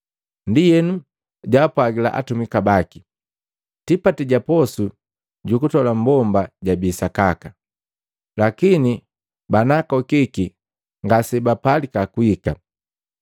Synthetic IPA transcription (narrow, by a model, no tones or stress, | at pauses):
ndijɛnu | ɟaːpwaɡila̰ʔa̰tumikabaki | tipatiɟapɔsu | ɟukutɔlambɔmbaɟabisakaka | lakini | banakɔkiki | ŋɡasɛbapalikakuika